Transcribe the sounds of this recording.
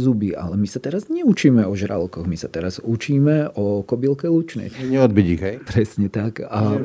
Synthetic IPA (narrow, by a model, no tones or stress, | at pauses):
zubiʔa̰lɛmisat̪ɛɾazɲɛut͡ʃiːmɛɔʒɾa̰lkɔɣmisat̪ɛɾaz̥ut͡ʃiːmɛʔɔkɔbilkɛlut͡ʃnɛ̰jɲɛɔd̪̚biɟiɣɛjpɾɛsɲɛt̪aka